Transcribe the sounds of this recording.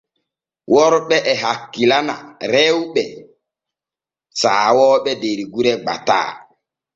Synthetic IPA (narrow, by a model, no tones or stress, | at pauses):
wʔɔɾɓɛʔɛɦakːilana̰ɾɛwɓɛ | saːwɔːɓɛdeɾiɡuɾɛɡ͡ba̰ta̰ː